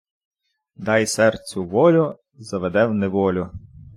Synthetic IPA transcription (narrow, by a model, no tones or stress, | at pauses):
d̪ɑjsɛrt͡sʲʊʋɔlʲʊ | zɐʋed̪ɛwnɛʋɔlʲʊ